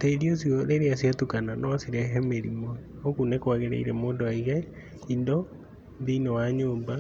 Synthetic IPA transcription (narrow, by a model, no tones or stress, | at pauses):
teɾios̬ioðeɾeasjatukananɔasiɾɛɦɛmeɾimo | okunekwaɣeɾḛḭɾɛmoːndoaiɣɛ | indɔ | ðiːnɔwaɲoːmba